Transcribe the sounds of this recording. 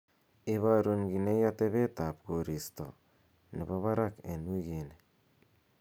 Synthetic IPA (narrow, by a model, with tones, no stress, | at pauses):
i˦βa˨ɾu˨ŋɡi˨ne˦ja˦te˦βe˦ta˨pɡo˨ɾi˨sto̰˨ | ni˨βo˦βa˦ɾa˦ke˨nu˦ɣe˨ne